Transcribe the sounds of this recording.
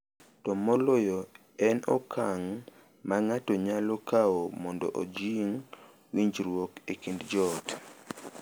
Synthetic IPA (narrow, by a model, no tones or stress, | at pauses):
tɔmɔlɔjɔ | ɛnɔ̰kʰaŋ | maŋatɔɲalokʰaomɔndɔ̰ʔod͡ʒiŋ | wiɲd͡ʒɾwokekindd͡ʒɔt